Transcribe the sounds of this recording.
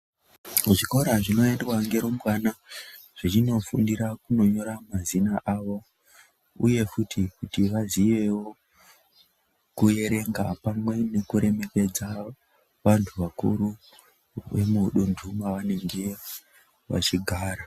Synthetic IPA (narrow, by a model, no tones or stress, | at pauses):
ʐiko̞ɾaʐino̞endwaŋɡe̞ɾomwana | ʐ̥it͡ʃino̞fundiɾakuno̞ɲo̞ɾamazinaʔaʋo̞ | uje̞futʰikutiʋazije̞wo | kuje̞ɾe̞ŋɡapamwe̞ne̞kuɾe̞me̞ke̞d͡za | ʋantʰuʋakṵɾu | ʋe̞̰muɗundʱumaʋane̞ŋɡe̞ | ʋa̰t͡ʃiɡʱaːɾa